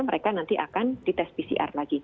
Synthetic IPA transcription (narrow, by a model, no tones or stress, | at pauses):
məɾekanant̪iʔakand̥it̪ɛspisḭʔa̰rlaɡi